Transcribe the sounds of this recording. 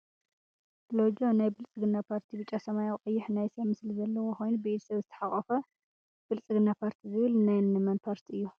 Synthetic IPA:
lod͡ʒonajbɨlt͡sʼɨɡɨnːapʰaɾt̪ʰibɨt͡ʃʼasɐmajawkʼɨjːɪħnajsɐβmɨslizɐlːɐwoxojnubet̪ʰsɐβzɨt̪ʰɐ̥ħaχʼɐfɐ | b̥ɨlt͡sʼɨɡɨnːapʰaɾt̪ʰizɨβɨlnajnnɨmɐnpʰaɾt̪ʰiɨjːu

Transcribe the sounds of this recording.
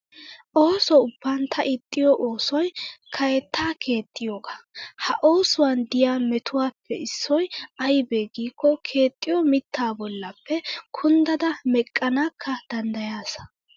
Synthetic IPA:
ʔoːsɔʊb̥ːɐnt̪ʰɐʔɪt̪ʼːɪjɔʔoːsɔjkʰɐjɛt̪ːaːkʰe̞ːt̪ʼːɪjoːɡɐhɐʔo̞ːsʊwand̪ɪjaːmɛt̪ʊwaːpʰːɛ̰ɪsːɔjɐjbe̞ːɡiːkːɔkʰe̞ːt̪ʼːɪjɔmɪt̪ʰːaːbɔlːɐpːɛkʰʊnd̪ɐd̪ɐmɛkʼːɐnaːkʰːɐd̪̥ɐnd̪ɐjaːsɐ̥

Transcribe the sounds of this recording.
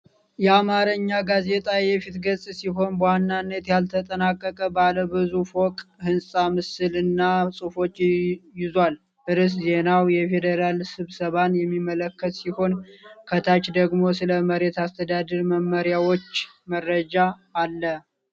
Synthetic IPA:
jɛamaɾɨɲːaɡaze̞t̪ʼajɛfit̪ɡəsʼsiɦo̞nbwanːanːət̪jalt̪ʰət̪ʼənakʼːəkʼəbaləbɨzufokʼhɨnsʼamɨsɨlɨnːasʼɨfo̞t͡ʃːjɪzwal | ʔɨɾɨs̬ze̞nawjɛfe̞d̪əɾalsɨβsəβanjɛmːimːələkʰːət̪siho̞nkʰət̪ʰat͡ʃd̪əɡmo̞sɨləməɾe̞t̪ast̪ʰəd̪ad̪əɾməmːəɾjawo̞t͡ʃː | mərːəd͡ʒaːlːə

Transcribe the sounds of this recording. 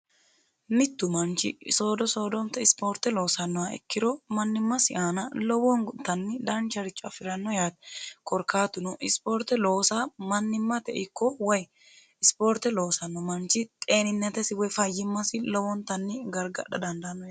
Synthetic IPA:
mɪt̪ːʊmɐnt͡ʃɪ̰soːd̪ɔso̞ːd̪ɔnt̪ɛɪspo̞ːɾt̪ɛlo̞ːsɐnːɔwaɛ̰kːɪɾɔmɐnːɪmːɐsɪʔaːnɐlɔwɔnt̪ɐnːɪd̪ɐnt͡ʃɐɾɪt͡ʃʼːɔɐfɪɾɐnːɔjaːt̪ɛkʼɔɾkaːt̪ʊnɔʔɪspoːɾt̪ɛloːsamɐnːɪmːɐt̪ɛʔɪkːɔwɐj | ɪspoːɾt̪ɛlo̞ːsɐnːɔmɐnt͡ʃɪt̪ʼe̞ːnɪnːɛt̪ɛsɪwɔfɐjːɪmːɐsɪlɔwɔnt̪ɐnːɪɡɐɾɡɐ̰ᶑɐ̰d̪ɐnd̪ɐnːɔj

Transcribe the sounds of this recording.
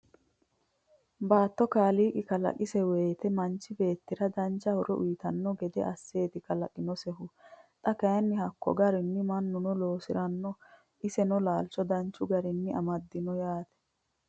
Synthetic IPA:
baːt̪ːɔkaːliːkʼɪkɐlɐ̰kʼɪsɛwe̞ːt̪ɛmɐnt͡ʃːɪbe̞ːt̪ːɪɾɐd̪ɐnt͡ʃːɐhʊɾɛʔʊjɪt̪ɐnːɔɡɛd̪ɛ̰ʔɐsːe̞ːt̪ɪkɐlɐkʼɪnɔsɛɦʊt̪ʼɐkɐjɐnːɪhɐkːɔ̰ɡɐɾɪnːɪmɐnːʊnɔlo̞ːsɪɾɐnːɔ | ʔɪsɛnɔlaːlt͡ʃːɔd̪ɐnt͡ʃːʊɡɐɾɪnːɪɐmɐd̪ːɪnɔjaːt̪ɛ̥

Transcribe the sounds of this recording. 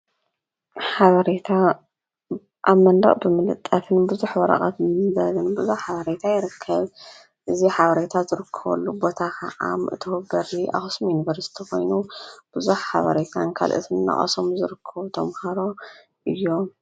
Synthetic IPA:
ħaβɐɾet̪ʰa | ʔaβmɐnd̪ɐ̰χʼbɨmɨlɨt̪ʼːɐt̪ʰɨnbɨzuħwɐɾɐ̰χʼɐ̰t̪zɐlɨnbɨzuħħaβɐɾet̪ʰajɪɾɨkʰːɐβ | ʔɨziħaβɐɾet̪ʰazɨɾɨkʰːɐβɐ̰lːubo̞t̪ʰakʰaʔa̰mɨʔɨt̪ʰubɐɾiʔa̰xɨsmjunivɐɾsi̥t̪ʰiko̞jnub̥ɨzuħħa̰βɐ̰ɾet̪ʰankʰa̰lʔɨ̰t̪ʰɨnnɐ̰χʼɐ̰so̞mzɨɾɨkʰːɐβut̪ʰɐmhɐɾo̞ | ʔɨjːo

